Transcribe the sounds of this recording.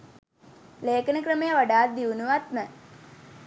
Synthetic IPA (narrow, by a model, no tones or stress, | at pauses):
leːkənəkrəmejəʋaɖaːt̪̚d̪iunuʋat̪mə